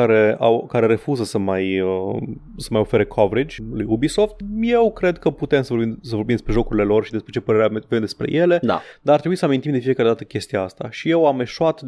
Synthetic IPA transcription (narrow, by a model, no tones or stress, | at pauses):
aɾe̞a̰wkaɾeɾe̞fuzəsəmajə | səmajo̞fe̞ɾe̞kʰoveɾid͡ʒʲlujubiso̞ft̪je̞wkɾe̞d̪kəput̪e̞msəvobimsəvorbimd̪espɾe̞ʒo̞kuɾile̞lo̞rʃid̪espɾet͡ʃe̞pəɾe̞ɾeavodemd̪e̞spɾe̞̰je̞le̞d̪a̰d̪aart̪ɾebuisəamint̪imd̪e̞fije̞kaɾe̞d̪at̪əkʲe̞st̪ijaast̪aʃije̞wame̞ʃuat̪